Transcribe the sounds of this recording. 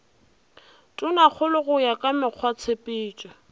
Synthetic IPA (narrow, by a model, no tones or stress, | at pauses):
tʼʊnak͡xʰʊlʊɣʊjakʼamɪq͡χʰwat͡sʰepʼɪːt͡ʃʼa